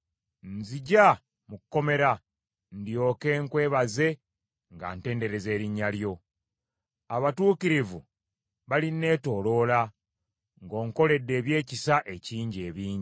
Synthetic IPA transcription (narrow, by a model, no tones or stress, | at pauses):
nziɟa | mukkːo̞me̞ɾa | ndjo̞ːke̞ːŋkwe̞ːβaze̞ | ŋɡa̰nte̞ːnde̞ɾe̞ze̞ːɾiɲːaljo̞ | aβatuːkiɾivu | βalinːe̞ːto̞ːlo̞ːla | ŋɡo̞ːŋko̞le̞dːe̞ːβje̞ːcisaʔe̞ciːɲɟeːβiːɲi